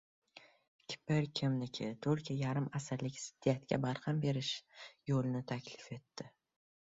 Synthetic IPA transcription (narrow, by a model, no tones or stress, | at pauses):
kʲʰɪ̥pɪɾkʲʰɪmnɪkʲʰɪt̪ʰoɾkʲʰajaɾɪmasɪɾlɪkʲsɪ̥d̪̥ːijat̪kʲa̰baɾhambe̞ɾɪʃjolɪnɪt̪ʰakʲlɪfe̞t̪ʰːɪ